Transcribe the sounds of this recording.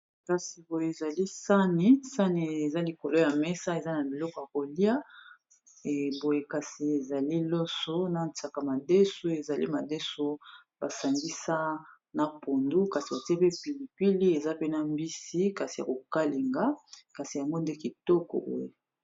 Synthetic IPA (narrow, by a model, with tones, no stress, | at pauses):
ka˨si˨bo˨je˨e˨za˨li˦sa˦ni˦sa˦ni˨e˨za˦li˨ko˨lo˦ja˨mɛ˦sa˦e˨za˦na˨bi˨lɔ˦kɔ˨ja˨ko˨li˦a˦˨ | bo˨je˨ka˨si˨e˨za˨li˦lɔ˦so˦na˨nta˨ka˨ma˨de˦so˦e˨za˨lḭ˦ma˨de˦so˦ba˨sa˨ŋɡi˦sa˦ | na˨po˨ndu˦ka˨si˨ba˨ti˦e˦pe˦pi˨li˨pi˦li˦e˨za˦pe˦na˨mbi˦si˦ka˨si˨ja̰˨ko˨ka˦li˨ŋɡa˦ka˨si˨ja˨ŋɡo˦nde˦ki˨tɔ˦kɔ̰˨bo̰˨je˨